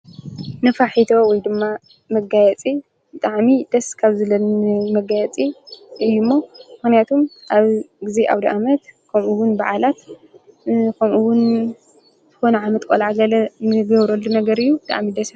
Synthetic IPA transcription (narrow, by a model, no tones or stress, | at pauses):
nɨfaħit̪ʰo̞wɔjd̪ɨmːa | mɐɡajɛt͡sʼi | bɨt̪ʼaʕmid̪ɐskʰaβzɨlɐnmɐɡajɛt͡sʼiɨjːumːomɨxnijat̪ʰumʔaβɡɨzeʔa̰wd̪iʔamɐt̪kʰɐmʔuwʊnbaʕalat̪ | kʰɐmuwʊn | z̥ɨxo̞nɐʕamɐt̪ʼkʼo̰lʕaɡɐlɐnɨɡɐβɾolːunɐɡɐɾɨjːubɨt̪ʼa̰ʕmid̪ɐs